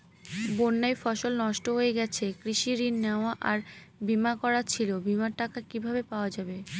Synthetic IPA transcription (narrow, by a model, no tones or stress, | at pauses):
bonːajfɔʃolnɔʃʈoɦoeɡɛt͡ɕʰekɾiʃiɾinːeoaʔaɾbimakɔɾat͡ɕʰilobimaɾʈakakibʱabepaoad͡ʑabe